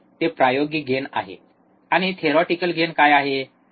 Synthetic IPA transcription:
t̪epɾajoɡiɡʱena̰ɦḛ | aɽ̃it̪ʰeɾɔʈikəlɡʱenkajaɦe

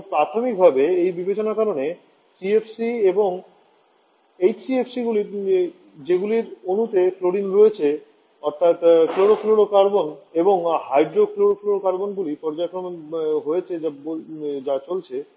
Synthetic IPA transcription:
pɾat̪ʰomik̚bʱabeejbibet͡ɕonakaɾone | siepʰsieboŋ | ejsiepʰsiɡuli | d͡ʑeɡuliɾonut̪efloɽinɾoet͡ɕʰe | ɔɾt̪ʰat̪kloɽokloɽokaɾboneboŋhajɖɾokloɽokloɽokaɾbonɡulipɔɾd͡ʑaekɾomɦoet͡ɕʰeabold͡ʑat͡ɕolt͡ɕʰe

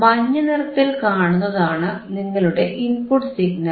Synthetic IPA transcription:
mɐɲːɐnirɐt̪ːilkaːɳunːɐðaːɳɨniŋːɐɭuɽe̞ʔinpuʈsiɡnɐ

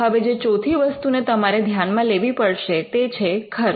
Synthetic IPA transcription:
ɦəʋed͡ʒet͡ʃot̪ʰiʋəst̪unet̪əmaɾed̪ʱjanmãleʋipəɽʃet̪et͡ʃʰekʰəɾ

